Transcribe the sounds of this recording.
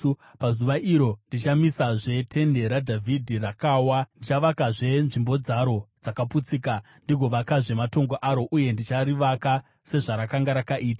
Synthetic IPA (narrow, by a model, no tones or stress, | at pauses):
pazuʋaʔiɾo̞ndit͡ʃamisaʐe̞tʰe̞nde̞ɾadʱavʱidʱirakaːwandit͡ʃaʋakaʐe̞nʐimbo̞d͡zaɾo̞d͡zakaput͡siːka | ndiɡʱo̞ʋakaʐe̞mato̞ŋɡoʔaɾo̞ʔuje̞ndit͡ʃaɾiʋaka | se̞ʐaɾakaŋɡaɾakaʔiːtḁ